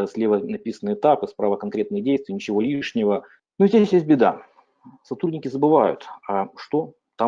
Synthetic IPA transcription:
sʲlʲevənɐpʲisənːɨɪt̪apɨspɾavəkɐnkɾʲe̞t̪nəjədʲejst̪vʲɪjənʲɪt͡ɕɪvo̞lʲiʂnʲɪvə | nuizʲdʲesʲjest̚ʲbʲɪd̪a̰ | sɐt̪ɾudʲnʲɪkʲɪzəbɨvajʊ̰t̪ɐʂt̪o | t̪a

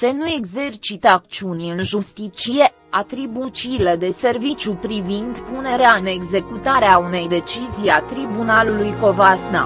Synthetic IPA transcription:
se̞nue̞ɡze̞rt͡ʃit̪əakt͡ʃiunʲɨnʒust̪it͡ʃije̞ | at̪ɾibut͡ʃiled̪e̞se̞rvit͡ʃʲjupɾivind̪pune̞ɾeaɨne̞ɡze̞kut̪aɾeaune̞jd̪e̞t͡ʃizijat̪ɾibunalulujko̞vasna̰

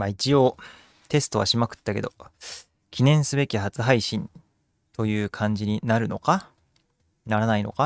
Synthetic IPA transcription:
mait͡ɕio̞ː | t̪e̞sɨ̥t̪o̞βa̰ɕimakɯ̟̥t̪ːake̞d̪o | kʲinẽ̞ɰ̃sɨbe̞kʲihat͡sɨɦaiɕĩn | t̪o̞jɯ̟ːkʰãɲ̟d͡ʑiɲ̟inaɾɯ̟no̞ka | naɾanaino̞̰ka

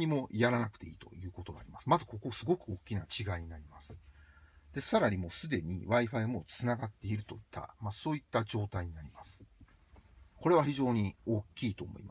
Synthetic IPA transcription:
ɲ̟imo̞jaɾanakɯ̟̥t̪e̞iːt̪o̞̰jɯ̟ːko̞t̪o̞ɡaːɾʲimasɨmazɨko̞ko̞sɨɡo̞kɯ̟o̞kʲːinat͡ɕiɡaiɲ̟inaɾʲimasɨ̥ | d̪̥e̞saɾaɲimo̞sɨd̪e̞ɲ̟iβaiɸaimo̞t͡sɨnaɡat̪ːe̞iɾɯ̟t̪o̞it̪ʰːa̰maso̞ːit̪ːad͡ʑo̞ːt̪aiɲ̟inaɾʲimasɨ̥ | ko̞ɾe̞β̞açiʑo̞ːɲ̟io̞kʲːiːt̪o̞ːmo̞̰ḭma

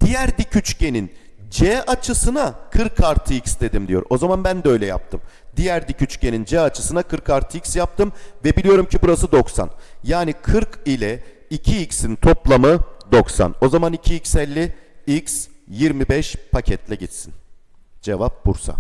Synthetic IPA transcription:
d̪̥ijæɾd̪icʰyt͡ʃcʰe̞nin | d͡ʒɛat͡ʃʰɯsɯnakʰɯɾkʰaɾt̪ʰɯicsd̪e̞d̪imd̪ijo̞ɾo̞zamanbænd̪ɛø̞jlʲɛja̰p̚t̪ʰɯmd̪ijæɾd̪icʰyt͡ʃce̞nind͡ʒɛat͡ʃʰɯ̥sɯnakʰɯɾkaɾt̪ʰɯicʲsjap̚t̪ʰɯmvɛbilʲijo̞ɾumcʰibuɾasɯd̪o̞ksa̰njaːnikʰɯɾkilʲɛ | icʰiicsint̪ʰo̞plˠamɯd̪o̞ksa̰no̞zamanicʰiːcsɛlʲːiicsjiɾmibɛʃpʰacʰɛt̪lʲɛɟit̪sin | d͡ʒe̞vap̚buɾsa̰

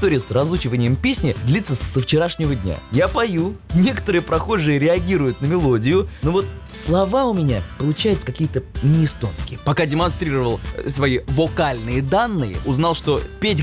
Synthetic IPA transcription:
ɪst̪oɾʲɪjəsrɐzˠut͡ɕɪvənʲɪjəmpʲesʲnʲɪd̪lʲit̪səsəft͡ɕɪɾaʂnʲɪvədʲnʲa̰japɐjunʲe̞kə̥t̪əɾɨjəpɾɐxo̞ʐɨjəɾʲɪɐɡʲiɾʊjʊt̪̚nəmʲɪlˠo̞dʲɪjʊnovo̞t̪̚ | slˠɐvaʊmʲɪnʲapəlˠʊt͡ɕæjɪt̪sə̥kɐkʲijət̪ənʲɪɪst̪o̞̰nskʲɪjəpɐkadʲɪmɐnst̪ɾʲiɾəvəlˠsvɐivokalʲnɨjəd̪anːɨjə̰ʔʊznɑlˠʂt̪o̞pʲetʲ

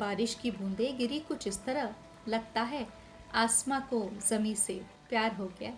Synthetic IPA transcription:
baːɾɪʃkibʱũːnd̪ẽɡɪɾikʊt͡ʃʰɪst̪ɐɾə | lɐɡ̚t̪aɦɛ | aːsmakozɐmise | pjaːɾɦoːɡɪa̰ː

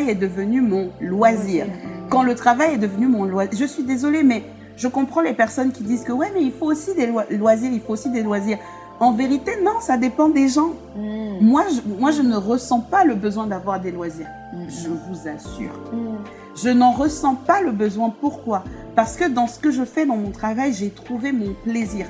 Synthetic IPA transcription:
jɛd̪əvənymɔ̃lwaziːʁkɑ̃lət̪χavajɛd̪əvənymɔ̃lwaʒəsɥid̪ezɔlemɛ | ʒəkɔ̃pχɑ̃lepɛʁsɔnkʲid̪izkəwɛmɛilfoosid̪elalwaziʁilfoosid̪elwaziʁ | ɑ̃veʁit̪enɔ̃sad̪epɑ̃d̪eʒɑ̃ | mwaʒəmwaʒənəʁəsɑ̃paləbəzwɛ̃d̪avwaʁd̪elwaziːʁ | ʒəvuzasy̰ːʁ | ʒənɑ̃ʁəsɑ̃paləbəzwɛ̃puʁkwapaʁsə̥kəd̪ɑ̃sə̥kəʒəfɛd̪ɑ̃mɔ̃t̪χavajʒet̪χuvemɔ̃pleziːʁ

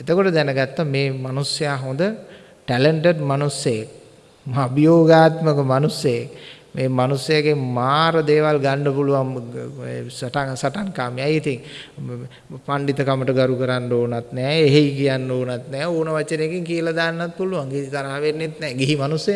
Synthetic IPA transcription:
et̪əkoʈəd̪ɛnəɡat̪ːameːmanusejaːɦond̪ə | ʈɛleɳʈeɖmanusjejak̚ | abijoːɡaːt̪məkəmanusjejak | meːmanusjɐjakemaːɾəd̪eːʋalɡanɖəpuluʋaŋ | saʈaŋsaʈaŋkaːmijajit̪iŋ | paɳɖit̪əkaməʈəɡaɾukəɾanɖoːnat̪nɛːeɦejkijanːoːnat̪nɛːoːnəʋat͡ʃːənekiŋkijəlad̪aːnːat̪̚puluʋaŋɡeɦikaɾaːʋenːit̪nɛːɡeɦimanusəja

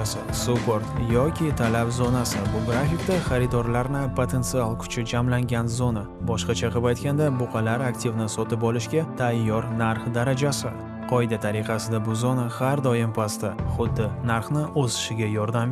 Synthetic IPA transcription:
ssupoɾt̪jɒkʲɪt̪ʰalapzonasɪbʊɡɾafɪkʲt̪aχaɾɪt̪ɒɾlaɾnɪpʰot̪ʰe̞nt̪sɨalˠkʰʊ̥t͡ʃʰɪd͡ʒamlaŋɡʲanzona | bɒʃqɑt͡ʃʰaqʰɨpajt̪kʲand̪abʊqʰɑlaɾakt̪ʰivnɪsɒt̪ɪpɒlɪʃɡʲat̪ʰajːɒɾnaɾχd̪aɾad͡ʒasɪ | qʰɒjd̪at̪ʰaɾɪqʰɑsɪd̪abʊzonahaɾd̪ɒjɪmpʰast̪aχʊd̪ːɪnaɾχnɪʔozɪ̥ʃɪɡʲajɒɾd̪am

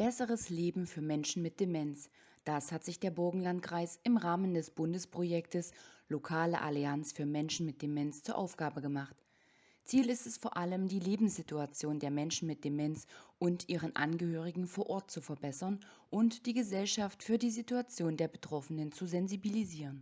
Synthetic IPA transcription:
b̥ɛsəʁəsleːbm̩fyːɐmɛnʃn̩mɪt̚d̥emɛns | d̥ashatz̥ɪçd̥eːɐbʊɐɡŋ̩lantkʁ̥aɪsʔɪmʁaːməndɛsb̥ʊndəspʁ̥ojɛk̚təslokʰaːlə̰ʔa̰liansfyːɐmɛnʃn̩mɪt̚d̥emɛnst͡suːɐʔa̰ʊfɡ̥aːbəɡəmaχt | t͡siːlɪstɛsfoːɐʔaləmdiːleːbm̩sz̥ituat͡sjoːndeːɐmɛnʃn̩mɪt̚d̥emɛnsʔʊntʔiːʁ̞ənʔa̰nɡəhøːʁ̞ɪɡŋ̩foːɐʔɔɐt̚t͡sufɛɐbɛsɐn | ʔʊntd̥iːɡəzɛlʃaftfyːɐdiːzituat͡sjoːndeːɐbətʁ̥ɔfənənt͡suzɛnzibiliziːʁ̞ən

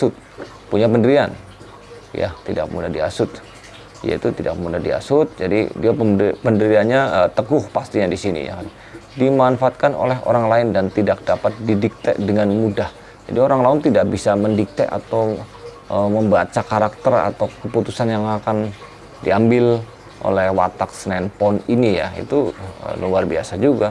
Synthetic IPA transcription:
sʊt̪̚ | puɲapəndəɾian | ja̰t̪ida̰k̚mṵdadia̰sʊt̪ | ja̰ḭt̪ut̪ida̰k̚mudadia̰sʊt̪̚d͡ʒadḭdiapəpəndəɾianɲaət̪əɡʊhpast̪iɲadisinḭja̰kan | dimanfaːt̪̚kano̰lɛɦo̰ɾaŋlaɪndant̪idak̚dapat̪̚didik̚t̪ɛ̰ʔdəŋanmudah | d͡ʒa̰dioɾaŋlaʊnt̪idak̚bisaməndik̚t̪ɛ̰ʔa̰t̪aw | əməmbat͡ʃakaɾak̚t̪əra̰t̪awkəput̪usanjaŋakan | diambɪl | ʔo̰lɛhwa̰t̪ak̚snɛnpɔninija̰ḭt̪uə̰luarbia̰sad͡ʒuɡa

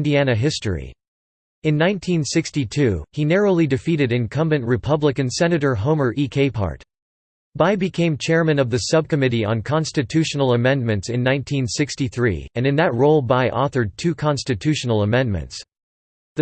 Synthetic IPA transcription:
ndiænɨɦɪstɹḭ | ɨ̃nːãɪ̃ntʰĩnsɪkstitʰʉinɛɹoʊlˠidɨfiɾɨɾɨ̃nkʰʌ̃mbɨ̃nʔɹɨpʰʌblɨkɨ̃nsɛnɨɾə˞ɦõʊ̃mə˞ʔikʰeɪpʰɑ̰ɹt | b̥aɪbɨkʰẽɪ̃mt͡ʃʰɛɹmɨ̃nʌvðɨsʌb̚kɨmɪɾiə̰̃nkʰɑ̃nstɨtʰʉʃn̩l̩ˠəmɛ̃nmɨ̃ntsɨ̃nːãɪ̃ntʰĩnsɪkstiθɹḭɨ̃nɨ̃nðɨt̚ɹoʊlˠbaɪʔɔθə˞d̚tʰʉkʰɑ̃nstɨtʰʉʃn̩l̩ˠəmɛ̃nmɨ̰̃nts | ðɨ

